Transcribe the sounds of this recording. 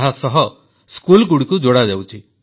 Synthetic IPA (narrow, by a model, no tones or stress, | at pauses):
ɦasɔɦɔ | skulkuɽikud͡ʒoɽadewt͡ʃʰi